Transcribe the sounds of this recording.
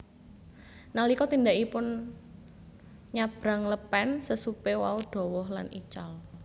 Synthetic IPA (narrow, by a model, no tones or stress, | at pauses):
nalikɔt̪ind̪akipʊn | ɲab̥ɾa̤ŋləpɛnsəsupewa̰ud̥ɔ̤wɔɦla̰nḭt͡ʃal